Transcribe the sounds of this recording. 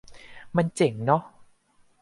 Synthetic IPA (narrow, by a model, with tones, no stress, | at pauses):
ma˧nt͡ɕe˨˩˦ŋnɔ˦˥